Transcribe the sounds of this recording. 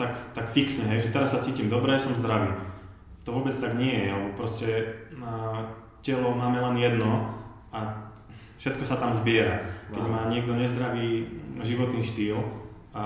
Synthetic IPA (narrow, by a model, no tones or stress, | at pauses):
t̪akt̪akfiksɲɛɦɛjʒɛt̪ɛɾasːat͡siːcimd̪ɔbɾɛːsɔmzd̪ɾaʋiː | t̪ɔʋʊɔːbɛt͡st̪aɡɲɪɛjɛalɛbɔpɾɔscɛ | cɛlɔʊmaːmɛlɛnjɛd̪nɔ | a | fʃɛt̪kɔsat̪amzbɪɛɾakkɛɟmaːɲɪɛɡ̚d̪ɔɲɛzd̪ɾaʋiːʒiʋɔt̪niːʃt̪iːl | a